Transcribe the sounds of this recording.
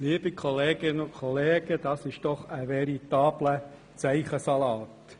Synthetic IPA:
liːəb̥ikʰɔleːɡ̥ɪnəʊnkʰχɔleːɡ̥əd̥̪ɑːsɪʃd̥ɔχəʋɛɾit̪ɑːb̥lə | t͡sæɪχəsɑlɑːt

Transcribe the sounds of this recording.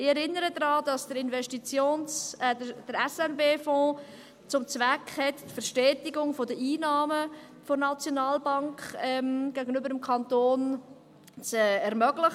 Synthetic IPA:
ɪɛɾɪnːəɾəd̪ɾɑːdɑsd̥əɾɪnvɛʃtit͡sjoːnsɛəd̥əɾɛsɛnbeːfɔ̃ː | t͡sʊmt͡svækχhɛttfəɾʃtɛːtɪɡʊŋfodəʔiːnɑːmə | fonɑt͡sjonɑːlbɑŋkɛmɡ̥æɡənybəɾəmkʰɑntoːn | t͡sɛɛɾmœɡlɪχ

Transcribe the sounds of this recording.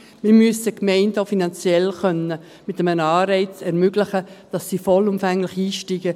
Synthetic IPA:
mɪɾmyəsəkmɛɪndoʊfinɑnt͡sjɛlχœnə | mɪtəmənɑːɾɛɪt͡sɛɾmʏɡlɪχəd̥ɑsːiːfɔlʊmfæŋlɪχiːʃtiːɡ̥ə

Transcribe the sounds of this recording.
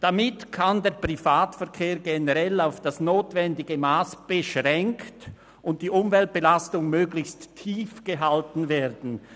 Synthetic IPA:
d̥amɪtkʰandɛːɐpʁ̥ifaːtfɛɐkʰeːɾɡenəʁɛlaʊfd̥asnoːtvɛndɪɡəmaːsb̥əʃʁɛŋkt | ʔʊnt̚d̥iːʔʊmvɛlt̚b̥əlastʊŋmøːɡlɪçstʰːiːfɡ̥əɦaltn̩veːʁdn̩

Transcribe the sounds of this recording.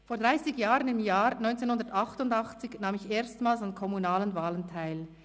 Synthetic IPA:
foːɐd̥ʁaɪsɪɡjaːʁənɪmjaːɾnɔʏnt͡seːnhʊndətɑχtʊndɑχt͡sɪçnaːmɪçeːɐstmaːlsankʰɔmunaːlənvaːləntʰaɪl

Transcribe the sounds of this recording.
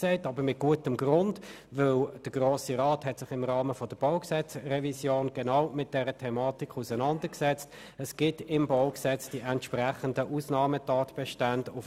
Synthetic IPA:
sɛɪtɑbəɾmɪt̚ɡ̥uətəmɡʁʊnd | ʋɪld̥əɡ̥ʁoːsiʁɑːthɛtsɪχɪmʁɑːməfɔd̥əb̥ɔʊksɛt͡srɛvisjoːnɡ̥ɛnɑwmɪt̚d̥ɛɾətʰɛmɑːtikχusənɑndəksɛt͡st | əsɡ̥ɪtɪmboʊksɛt͡sd̥iʔɛntʃpræχəndəʔuːsnɑːmətɑːtb̥ɛʃtandʊf

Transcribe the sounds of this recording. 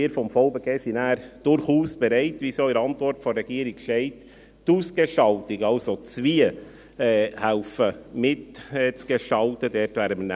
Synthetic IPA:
iəɾfɔmfɔʊbeɡeːsinæːɾd̥ʊɾχuːsb̥ɛɾɛɪtʋisoiɾɑntʋɔɾtfɔɾːɛɡ̥iːɾiɡ̥ʃtɛɪt | tuːsɡ̥eʃɑltɪkɑlsot͡sʋiə | hæʊfəmɪtɛt͡sɡ̥eʃɑltədɛːɾtʋæːɾəmənæ

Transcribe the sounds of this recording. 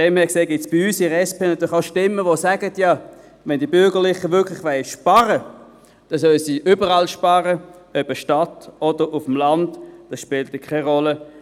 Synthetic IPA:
dɛmhɛːkseːɡɪtsb̥ɪyːsɪʁɛspeːnɑt̪yːlɪχaʊʃtɪmːəʋosæɡ̥ətjɑ | ʋɛndibʏɐɡəʁlɪχəʋʏɐkʰlɪχʋɛɪʃpɑʁə | d̥ɛnsœləsiːʔybəʁɑlʃpɑːʁəœbəʃtɑtɔd̥əʁʊfəmlɑntd̥ɑsʃpɪːltəkʰɛɪʁɔlə

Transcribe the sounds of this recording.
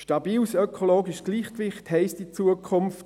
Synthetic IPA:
ʃtɑbiːlsœkʰoloːɡiʃɡ̥liːχkvɪχthɛɪstit͡suəkʰʊmft

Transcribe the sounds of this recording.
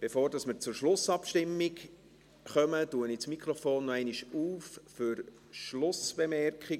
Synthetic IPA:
b̥efoːɾdɑsmɪɾt͡sʊɾʃlʊsɑpʃtɪmːik | χœmətuənit͡smikχɾɔfoːnːɛɪniʃuːfføɾ | ʃlʊsb̥emɛrkχi

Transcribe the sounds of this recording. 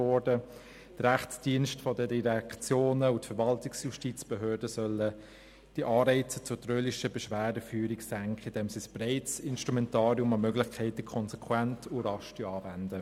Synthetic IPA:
ɔɾdə | d̥əɾæχt͡sd̥iənʃtfɔdədiʁækt͡sjoːnəutfɛɾʋɑltiksjuʃtiːt͡sb̥əɦøːdəsœlːə | d̥iʔɑːɾɛɪt͡sə̥t͡sʊtrøːliʃəbəʃʋæːdəfyːɾiksæŋkχəɪndɛmsisb̥ɾeɪt͡sɪnʃtɾumɛntɑːɾiʊmɑmøɡlɪχkʰɛɪtəkʰɔnsɛkʰwæntʰuɾɑʃtyɑːvændə

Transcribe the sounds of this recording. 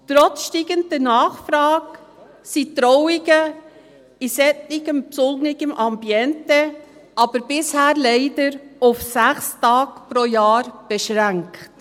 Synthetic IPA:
tɾɔt͡sʃtiːɡəndənɑːχfɾɑːɡ | sitɾɔwɪɡə | isɛtːɪɡəmpsʊlnɪɡəmʔɑmbjɛntɛ | ʔɑb̥əɾb̥ɪshæːɾlɛɪdəɾʊfsæχstɑːkpɾojɑːɾb̥ɛʃʁæŋkt

